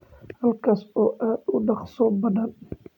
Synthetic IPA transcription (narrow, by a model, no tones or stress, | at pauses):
hɐlkʰɐsɔːʔaːd̪ʊɖɑqsɔbɐðɐn